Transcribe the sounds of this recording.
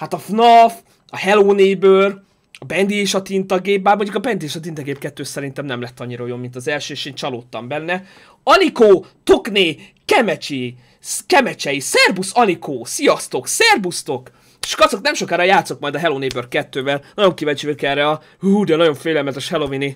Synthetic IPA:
hat̪ɒfnɒf | ɒɦɛloːnebør | ɒbɛnd̪ieːʃɒt̪int̪ɒɡeːp̚baːrmo̞ɲɟukɒbɛnd̪ieːʃɒt̪int̪ɒɡeːp̚kɛt̪ːøːsɛɾint̪ɛmnɛmlɛt̪ːɒɲːiɾɒojomːint̪ɒzɛlʃøːeːʃeːnt͡ʃɒloːt̪ːɒmbɛnːɛ | ɒnikoːt̪okneː | kɛmɛt͡ʃi | kɛmɛt͡ʃɛjisɛrbusɒnikʰoːsijɒst̪o̞ksɛrbust̪o̞k | ʃkɒt̪so̞knɛmʃo̞kaːɾɒjaːt̪so̞k̚mɒjd̪ɒɦɛloːneːbørkɛt̪ːøːvɛlnɒɟo̞ŋkivɛɲt͡ʃøkɛrɛɒ | ud̪ɛnɒɟo̞ɱfeːlɛlmɛt̪ɛʃhɛlo̞vini

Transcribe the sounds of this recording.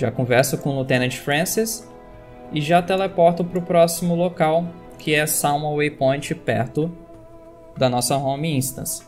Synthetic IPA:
ʒa̰kõvɛɾsʊkõlut̪ẽnɐ̃t͡ʃfɾɐ̃sis | ɪʒat̪elepɔɾt̪ʊpɾʊpɾɔsimʊlokaw | kʰɪɛsawmɐwejpõj̃t͡ʃɪpɛ̰ɾt̪ʊ | d̪ɐnɔsɐɦõmiĩst̪ɐ̰̃s

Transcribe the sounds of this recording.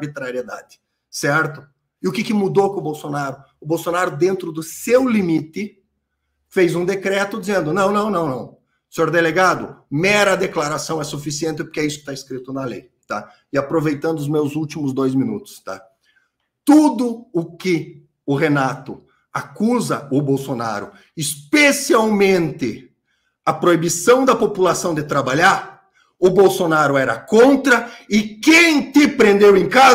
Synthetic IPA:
bit̪ɾaɾied̪a̰d̪ɪ̥ | sɛɾt̪ʊ | ɪʊkɪkɪmud̪okõʊbowsonaɾʊ | ʊbowsonaɾʊd̪ẽnt̪ɾʊd̪ʊsewlimit̪ɪ | fejzũd̪ekɾɛt̪ʊd̪izẽnd̪ʊnɐ̃w̃nɐ̃w̃nɐ̃w̃nɐ̃w̃ | sẽoɾd̪eleɡad̪ʊ̰mɛɾɐad̪eklaɾasɐ̃w̃ɛsufisiẽnt̪ɪpoɾkɪɛisʊkɪ̥t̪aiskɾit̪ʊnɐlḛj | t̪a | ɪapɾovejt̪ɐ̃nd̪ʊzmewzut͡ʃimʊzd̪ojzmĩnut̪ʊ̥st̪a̰ | t̪ud̪ʊʊkɪ | ʊʁenat̪ʊ | akuzɐʊbowsona̰ɾʊ̰ | ɪspesiawmẽnt̪ɪ | ɐpɾoibisɐ̃w̃d̪ɐpopulasɐ̃w̃d̪ɪt̪ɾabaʎaɾ | ʊbowsonaɾʊɛɾɐkõnt̪ɾɐɪkẽj̃t̪ɪpɾẽnd̪ewẽj̃ka

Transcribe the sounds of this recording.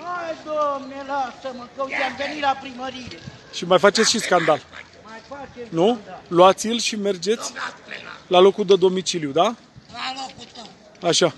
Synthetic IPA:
ajd̪omnelasəməkəut̪eamvenilapɾiməɾile | ʃimajfat͡ʃe̞t̪sʲʃiskand̪al | majfat͡ʃenuluat̪sʲjilʃime̞rd͡ʒe̞t̪sʲ | lalo̞kud̪əd̪o̞mit͡ʃiljud̪a | aʃa

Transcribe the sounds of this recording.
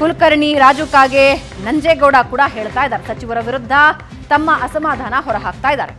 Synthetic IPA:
kulkɐɾɳiɾaːd͡ʒukaːɡe | nɐɲd͡ʒeːɡɐwɽaːkuːɽaɦeːɭt̪aːjd̪aːɾesɐt͡ʃiʋɐɾɐʋiɾud̪ʱːɐ | t̪ɐmːɐʔɐsɐmaːd̪ʱaːnɐɦɔɾɐɦaːk̚t̪aːjd̪aːɾe

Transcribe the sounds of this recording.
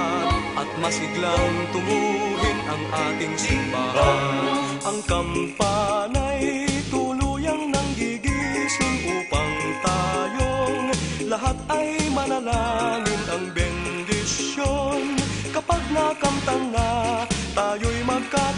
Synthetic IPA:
ʔɐt̪̚mɐsɪklaŋt̪ʊmuːlɪŋʔɐŋʔaːt̪ɪŋsɪmbaɦan | ʔɐŋkɐmpanajt̪uluːjɐŋnɐŋɡiɡisʊŋʔuːpɐŋt̪aːjoŋlɐɦat̪̚ɐjmɐnɐlaːŋɪnʔɐŋbɛnd̪ɪsjonkɐpaɡ̚nakɐmt̪ɐŋnat̪aːjojmɐɡ̚ka

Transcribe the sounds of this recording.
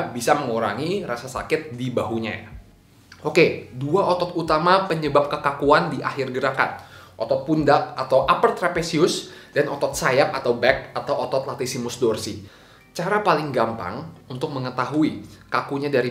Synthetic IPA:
bisaməŋuɾa̰ŋirasasa̰kɪt̪̚dibaɦuɲa̰ja̰ | ʔokeduaʔot̪ɔt̪ut̪amapəɲəbap̚kəkakuandiʔahɪrɡəɾaka̰n̚ʔot̪ɔt̪̚pundaʔat̪awʔapəlt̪ɾapesiʊsdanʔɔt̪ɔt̪̚sajap̚at̪awbɛk̚at̪awʔot̪ɔt̪̚lat̪isimʊsdɔrsi | t͡ʃaɾapalɪŋɡampa̰ŋunt̪ʊk̚məŋət̪aɦuikakuɲadaɾi

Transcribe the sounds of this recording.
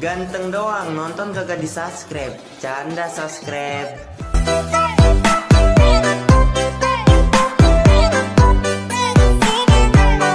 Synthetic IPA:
ɡant̪əŋdoaŋnɔnt̪ɔnkaɡadisaskɾɛp̚t͡ʃandasaskɾɛp̚

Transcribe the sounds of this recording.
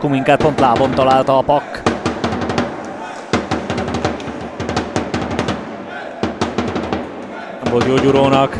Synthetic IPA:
kumiŋkaːt̪̚po̞nt̪laːbo̞nt̪ɒlaːlt̪ɒːpɒkː | ɒbod̪joːɟuɾoːnɒk

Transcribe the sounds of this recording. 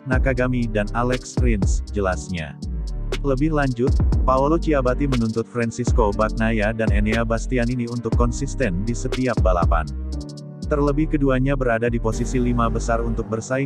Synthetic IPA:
nakaɡamidanalɛkspɾinsd͡ʒəlasɲa̰ | ləbɪhlaɲd͡ʒʊt̪̚paulot͡ʃiabat̪imənunt̪ʊt̪̚fɾɛnsiskobak̚najadaneneabast̪ianiniunt̪ʊkːɔnsist̪ɛndisət̪iap̚bala̰pa̰n | t̪ərləbɪhkəduaɲabəɾadadiposisilimabəsarunt̪ʊk̚bərsa

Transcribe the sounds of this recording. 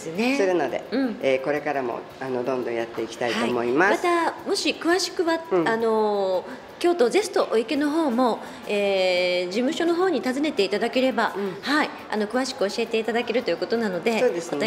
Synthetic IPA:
esɨne̞oɾenad̪e̞̰ɯ̟̃ɴeko̞ɾe̞kaɾamo̰ | anod̪õ̞nd̪õ̞jat̪ːe̞ikʲi̥t̪aitaoimoimasmat̪amo̞ɕikɯ̟βaɕi̥kɯ̟βaano̞ | kʲo̞ːt̪o̞ze̞sɨ̥t̪o̞ʔoike̞no̞ɦo̞ːmo̞ | eːd͡ʑimɯ̟ɕo̞no̞ɦo̞ːɲ̟it̪azɨne̞t̪e̞it̪ad̪ake̞ɾe̞bahai | a̰no̞kɯ̟βaɕi̥kɯ̟o̞ɕie̞t̪e̞it̪ad̪ake̞ɾɯ̟t̪o̞jɯ̟ko̞t̪o̞nano̞d̪e̞oːd̪esat̪

